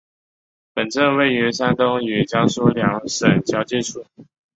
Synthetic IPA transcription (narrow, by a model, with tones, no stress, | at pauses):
pə˨˩nʈ͡ʂə˥˧nwe˥˩ɪɥɛ˧˥sa˥nt̪o˥ŋɥɛ˨˩t͡ɕjɑ˥ŋswɔ˥ljɑ˧˥˦ŋʂə˨˩nt͡ɕjɑ˥ʊt͡ɕjɛ˥˧ʈ͡ʂʰu˥˩